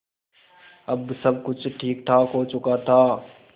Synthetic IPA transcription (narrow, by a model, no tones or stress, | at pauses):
ɐbsɐbkʊt͡ʃʰʈʰiːk̚t̪ʰakoːt͡ʃʊkat̪ʰaː